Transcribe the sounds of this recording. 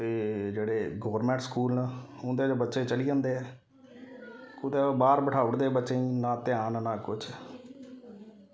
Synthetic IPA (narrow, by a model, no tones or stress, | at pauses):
t̪eːd͡ʒeːɽeːɡəʋɾmɛ̃ːɳʈskuːlnãːɦʊ̃nd̪eːd͡ʒobətːʃeːt͡ʃəliːd͡ʒãːnd̪eːɛː | kʊd̪eːbaːɾbəʈʰaːʊɽd̪eːbətːʃẽːĩːnãːt̪ɪjaːnnãːkʊt͡ʃ